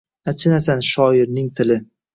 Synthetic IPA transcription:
at͡ʃʰɪnasanʃɒɪɾnɪŋt̪ʰɪlɪ

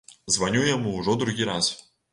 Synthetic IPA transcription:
zvɐnʲujamuːʐɔd̪ɾʊɣʲiɾas

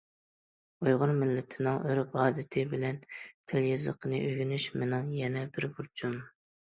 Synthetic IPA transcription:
ujʁʊnmɪlːɪt̪ʰɪnɪŋøɾpɑːd̪ɨt̪ʰɪbɪlɛnt̪ʰɪljɑzə̰qʰənɨʔøɡʲynyʃmɪnɨŋjɛnɛbɪɾbuɾt͡ʃʰum

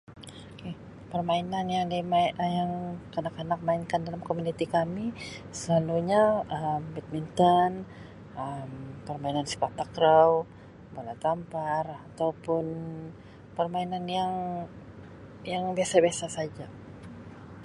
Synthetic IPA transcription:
oke | pərmainanjaŋdimajaŋkanakanak̚mainkandalamkomunit̪ikamisəlaluɲaəmbɛt̪̚mint̪ən | ʔəmpərmainansi̥pat̪akɾəw | balat̪amparat̪awpʊn | pərmainanjaŋ | jaŋbiasabiasasad͡ʒa

